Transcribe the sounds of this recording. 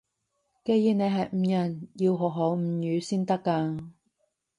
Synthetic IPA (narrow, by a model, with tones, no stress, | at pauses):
ke˧jiː˨˧ne˨˧jɦɐ˨jm̩˨˧˥jɐ˨˩nji˧wɦɔ˨ɦo˨˥wm̩˨˧˥jyː˨˧siː˥nt̪ɐ˥kːa˧